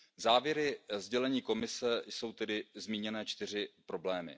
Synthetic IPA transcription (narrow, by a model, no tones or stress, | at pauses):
zaːvjɛɾɪzɟɛlɛɲiːko̞mɪsɛso̞wt̪ɛdɪzmiːɲɛnɛːt͡ʃt̪ɪr̝ɪpɾo̞blɛːmɪ̰